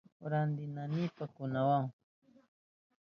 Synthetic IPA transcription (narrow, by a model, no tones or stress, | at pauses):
ɾand̪ɪnanɪpakʊnawaŋ